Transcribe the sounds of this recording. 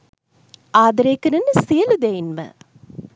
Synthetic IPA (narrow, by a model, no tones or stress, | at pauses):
ʔaːd̪ɐɾeːkɐɾɐnːəsijɐlud̪ejinmə̰